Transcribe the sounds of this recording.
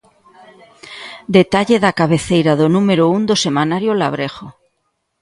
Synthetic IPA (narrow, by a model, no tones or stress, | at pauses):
d̪et̪aʎeðakaβ̞eθejɾaðonumeɾound̪osemanaɾjolaβ̞ɾeɣo